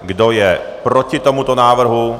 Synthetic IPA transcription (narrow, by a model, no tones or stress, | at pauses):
ɡdojɛ | pɾocɪt̪omut̪onaːʋɾ̩ɦu